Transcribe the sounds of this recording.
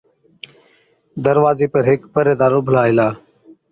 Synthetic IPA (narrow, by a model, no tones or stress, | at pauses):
d̪əɾʋaːzeːpəɾɦɪkpəɾeːd̪aːɾʊbʱəlaːɪlaː